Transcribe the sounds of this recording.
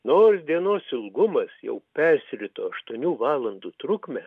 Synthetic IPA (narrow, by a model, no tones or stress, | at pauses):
noːɾsd̪ʲiɛnoːsɪlˠɡʊmɐsjɛ̰ʊpʲɛɾʲsʲɾʲɪt̪oːɐʃt̪uɔnʲuːʋɑːlˠɐnd̪uːt̪ɾʊkmʲɛ